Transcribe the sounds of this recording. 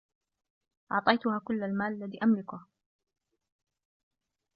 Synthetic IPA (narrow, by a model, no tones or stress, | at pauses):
ʔɑʕt̪ˤɑjt̪ʊhaːkʊlːalmaːʔalːaðiːʔamlɪkʊh